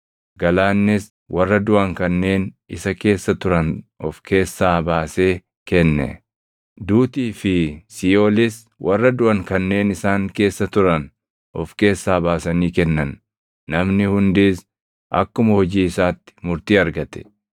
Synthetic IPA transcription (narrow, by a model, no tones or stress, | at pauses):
ɡɐlaːnːɪs | wʔɐrːɐd̪ʊʔɐŋkɐnːe̞ːnɪsɐke̞ːsːɐt̪ʊɾɐnʔɔfkʰe̞ːsːaːbaːse̞ː | kɛnːɛ̰ | d̪uːt̪iːfɪsioːlɪs | wʔɐrːɐd̪ʊʔɐŋkɐnːe̞ːnɪsaːŋke̞ːsːɐt̪ʊɾɐn | ɔfke̞ːsːaːbaːsɐniːkɛnːɐnː | ɐmnɪhʊnd̪iːs | ʔɐ̰kːʊmɐhɔd͡ʒiːɪsaːt̪ːɪ̥mʊɾt̪iːɐɾɡɐt̪ɛ̥